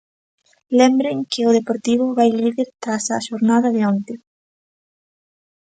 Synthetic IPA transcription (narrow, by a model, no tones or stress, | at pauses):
lɛmbɾeŋkɪʊðepoɾt̪iβ̞ʊβajliðeɾt̪ɾasaʃoɾnaðɐðɪont̪ɪ